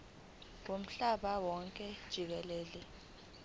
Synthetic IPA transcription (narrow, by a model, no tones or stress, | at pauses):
wom̩ɬaɓawɔŋkʼɛd̥ʒ̥ʱik̬ɛlɛːli